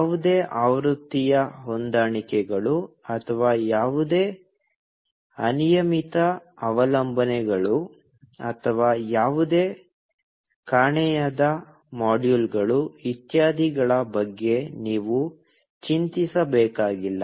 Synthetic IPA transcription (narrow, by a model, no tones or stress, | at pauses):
aːʋud̪eːʔaːʋɾut̪ːijɐɦond̪aːɳikɛɡɐɭuɐt̪ʰɐʋaːjaːʋud̪e̞ː | ɐnijɐmit̪ɐɐʋɐlɐmbʱɐnɛɡɐɭu | ɐt̪ʰɐʋaːjaːʋud̪e̞ː | kaːɳɛjad̪ɐ | maːɖjulɡɐɭuʋit̪jaːd̪ʱiɡɐɭɐbɐɡːe̞niːʋu | t͡ʃint̪isɐbɛːkaːɡilːɐ